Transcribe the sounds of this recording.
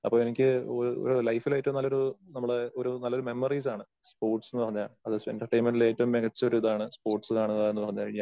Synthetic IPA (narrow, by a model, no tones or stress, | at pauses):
ɐpːo̞ːenikʲːɨoɾuo̰ɾulɐjfilaːjtːɐmnɐlːoɾunɐmːɐɽeoɾunɐlːɐoɾume̞mːɐriːs̬aːɳɨ | spo̞ːrʈsenːɨpɐrɐɲːaɭɐðɨsenʈɐrʈejnmenɖileːtːɐumːeɣɐt͡ɕːɐoɾuiðaːɳɨspo̞ːrʈsɨkaːɳɨðɐaenːɨpɐrɐɲːɐkɐɻiŋːa